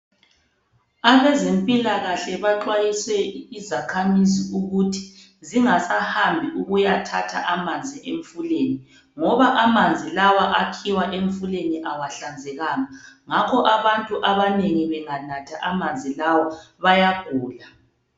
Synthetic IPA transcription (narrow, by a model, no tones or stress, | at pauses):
aβezempʼilaɣaɬɛβaǃwajiswɛizakʰamiziuɣutʰi̥ | ziŋasahambʱiʔuɣujatʰa̰tʰa̰ʔamand͡zʱiʔeɱfuleni | ŋɔβaʔamand͡zʱilawaʔakʰiwaʔeɱfuleniʔawaɬand͡zʱɛɣaŋaŋakʰɔʔaβantʼuʔaβaneŋiβɛŋanatʰaʔamand͡zʱilawɔβajaɡ̥ʱuːla